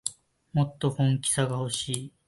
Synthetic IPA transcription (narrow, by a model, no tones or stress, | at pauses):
mo̞t̪ːo̞hõ̞ŋkʲi̥saɡaho̞ɕiː